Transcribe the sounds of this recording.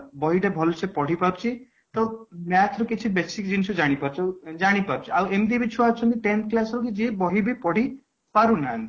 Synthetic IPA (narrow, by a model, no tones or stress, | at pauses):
bɔɦiʈabʱɔlsepɔɽ̤ipaɾt͡ʃʰi | t̪ɔwmjat̪ʰɾɔket͡ʃʰibesikd͡ʒinsʰɔd͡ʒaɽ̃ipaɾt͡ʃʰɔd͡ʒaɽ̃ipaɾut͡ʃʰiawemd̪ibit͡ʃʰuat͡ʃʰɔnt̪iʈent̪klasɾɔkid͡ʒebɔɦibipɔɽ̤i | paɾunant̪i